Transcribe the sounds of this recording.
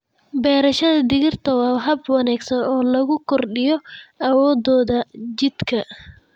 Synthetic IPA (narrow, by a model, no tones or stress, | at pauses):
bɛːɾɐʃɐðɐd̪ɪɣɪrt̪ʰɐwɑːɦɐbwɑnaːɡsɐnɔːlɐɣʊkʰɔrɖɪjɔʔɐwɔːd̪ɔːðɐt͡ʃɪd̪̥kʰɐ